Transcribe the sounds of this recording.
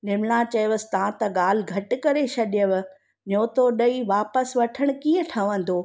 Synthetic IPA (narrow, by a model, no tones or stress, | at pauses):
nɪmnat͡ɕɐjʋəsɪ̥t̪ɐãt̪ɐɠaːl̤ɪ̆ɡʱɐʈɪ̆kɐɾeʃʰɐɗɪjəʋ | ɲoːt̪oɗɐiʋaːpəsʋɐʈʰəɽ̃̆kiːə̃ʈʰɐʋə̃n̆d̪oː